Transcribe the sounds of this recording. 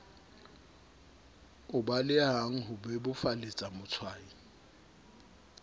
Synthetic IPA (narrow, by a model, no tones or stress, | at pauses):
ʊbalɪaɦaŋ̩ɦʊbɛbʊfalet͡sʼamʊt͡sʰwaːi